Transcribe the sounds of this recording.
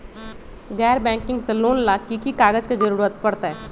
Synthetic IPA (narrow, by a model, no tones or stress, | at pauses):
ɣɛːɾbɛ̃ːŋkɪ̃ŋɡseloːnlaːkːikikaːɡəd͡ʒkid͡ʒɐɾuːɾət̪pɐɽt̪aɦɛː